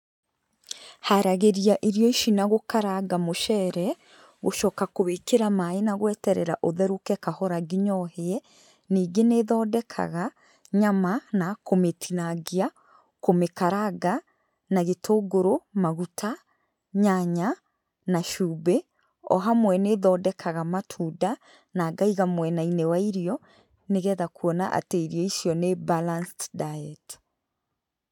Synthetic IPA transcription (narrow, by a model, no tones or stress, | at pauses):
haɾaɣeɾiaʔiɾjɔiʃinaɣokaɾaɡamoʃɛɾɛ | ɣoʃɔːkakoβekeɾamaenaɣwɛtɛɾɛ̰ɾaʔoðɛɾokɛkahɔɾaɡiɲɔheɛ | niːɡeneðɔdɛkʰa̰ɣa | ɲamanakometʰinaɡia | komekaɾaɡa | naɣetʰoːɡoɾomaɣutʰa | ɲaɲa | naʃuːbe | ɔ̰ɦamwɛneðɔdɛkʰaɣamatʰuda | naːɡaiɣamwɛnainewaiɾijɔ | neɣɛðakuɔnaʔa̰teiɾjɔiʃjɔnebalansdaɛt